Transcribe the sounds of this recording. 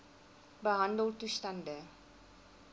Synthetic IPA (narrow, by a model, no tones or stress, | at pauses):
bəɦɐndəltustɐndə